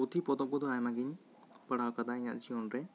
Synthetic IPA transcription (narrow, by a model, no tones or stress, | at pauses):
ut̪ʰipɔd̪ɔk̚bɔd̪ɔajmaɡiɲ | pəɽawkad̪aiɲa̰ʔt͡ʃiɔnɾɛ